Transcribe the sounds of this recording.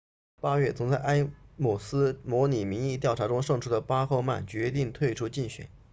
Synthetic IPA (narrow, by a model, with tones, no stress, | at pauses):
pa˥ɥɛ˥˩t͡sʰʊ˧˥ŋt͡sa˥˩ɪʔa˥ɪmu˨˩sɹ̩˥mwɔ˧˥ni˨˩mi˧˥ŋi˥˧t̪jɑ˥˩ʊʈ͡ʂʰa˧˥ʈ͡ʂʊ˥ŋʂɤ˥˧ŋʈ͡ʂʰu˥d̪ə˨pa˥xo˥˧ʊma̰˥˩nt͡ɕɥɛ˧˥t̪i˥˧ŋt̪ʰwe˥˩ɪʈ͡ʂʰu˥t͡ɕi˥˩ŋɕɥɛ̰˨˩˦n